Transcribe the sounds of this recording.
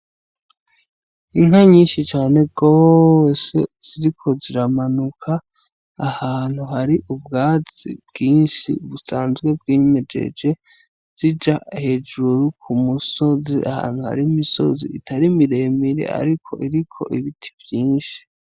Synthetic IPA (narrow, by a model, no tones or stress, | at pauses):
iŋhaɲiːnʃit͡ʃaːne̞ɡ̥osez̥iɾikʰo̞ziɾamanukʰaː | haːn̥huɦaɾiʔubɡaːz̥ḭb̚ɡiːnʃḭuβusaːnzɡwe̞b̚ɡiːɲed͡ʒe̞̰d͡ʒe̞ | z̥id͡ʒahe̞d͡ʒuɾukʰumuso̞ziʔa̰ha̰ːn̥huha̰ɾimiso̞̰zḭitʰaɾimiɾe̞miɾḛa̰ɾikʰo̞̰ʔiɾikʰo̞̰ʔiβitʰi̥vjiːnʃi̥